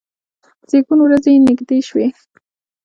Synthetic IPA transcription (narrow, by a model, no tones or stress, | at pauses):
z̥eɡunwɾazenɪɡd̪eʃwe